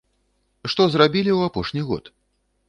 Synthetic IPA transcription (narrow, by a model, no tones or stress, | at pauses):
ʂt̪ɔzrabʲilʲiwapɔʂnʲiɣɔ̰t̪